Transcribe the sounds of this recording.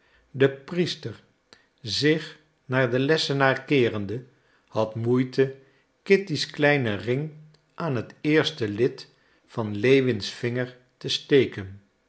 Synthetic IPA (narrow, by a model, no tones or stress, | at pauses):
dəpristəɹ | zɪχ | naːɹdəlɛsənaːɹkɪːrəndə | hɑtmujtʰə | kɪtisklɛjnərɪŋ | ʔaːnɦətɪːɹstəlɪt | fɑnlejʋɪnsfɪŋəɹ | təstejkən